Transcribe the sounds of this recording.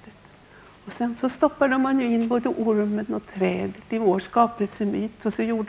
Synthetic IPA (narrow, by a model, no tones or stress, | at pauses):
ɔsɛnsɔst̪ɔpːad̪əmanjɵɪnːboːd̪əʔʊɾmənɔt̪ʰɾɛːd̪t̪ɪvoːʂkɑːpəlsəmyːt̪ɔsɔjuːɖ